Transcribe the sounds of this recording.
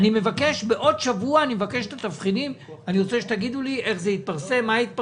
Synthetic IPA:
nimevake̞ʃbe̞ʔo̞dʃavuaːnimevakeʃet̪at̪afχidim | aniʁot͡seʃet̪aɡid̪ulie̞χzeit̪̚paʁse̞mːait̪̚p

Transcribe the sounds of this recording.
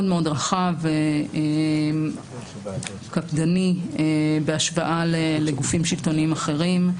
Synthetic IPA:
odmeo̞dʁaχavee | kapd̪aniebeaʃbaʔalele̞ɡufimʃilto̞niimaχe̞ʁim

